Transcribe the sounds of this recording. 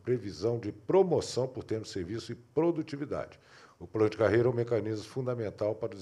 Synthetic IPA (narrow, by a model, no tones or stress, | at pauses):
pɾevizɐ̃w̃d͡ʒɪpɾomosɐ̃w̃pʊɾt̪ẽnʊ̥seɾvisʊɪpɾod̪ut͡ʃivid̪a̰d͡ʒɪ | ʊplɐ̃nʊd͡ʒɪkaɦejɾɐɛũmekanizmʊfũd̪ɐmẽnt̪awpaɾʊ